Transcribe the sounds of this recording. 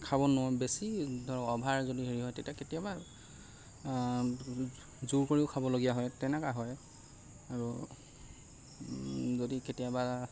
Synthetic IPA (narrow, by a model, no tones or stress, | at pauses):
kʰabɔnɔɦɔbesidʱɔɹɔɔbʱaɹzodiɦeɹiɦɔjtetiaketijaba | zuɹkoɹiʊkʰabɔloɡijaɦɔjtɛnɛkaɦɔj | aɹu | zodiketiaba